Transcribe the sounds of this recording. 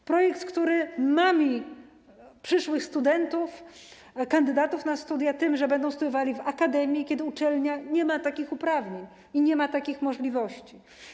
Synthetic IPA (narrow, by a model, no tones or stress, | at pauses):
pɾɔjɛkt̪kt̪uɾɘmamʲi | pʂɘʂwɘxst̪ud̪ɛnt̪uf | kand̪ɘd̪at̪ufnast̪ud̪jat̪ɘmʐɛbɛnd̪ɔ̃w̃st̪ud̪jɔvalʲivakad̪ɛmʲjikʲɛd̪ɘut͡ʂɛlɲaɲɛmat̪akʲixupɾavɲeɲ | iɲɛmat̪akʲixmɔʐlʲivɔɕt͡ɕi